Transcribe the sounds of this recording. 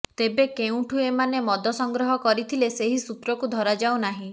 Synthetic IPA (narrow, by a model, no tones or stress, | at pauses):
t̪ebekeũʈʰuemanemɔd̪ʱɔsɔŋɡɾɔɦɔkɔɾit̪ʰileseɦisup̪ɾɔkud̪ʱɔɾad͡ʒawnaɦĩ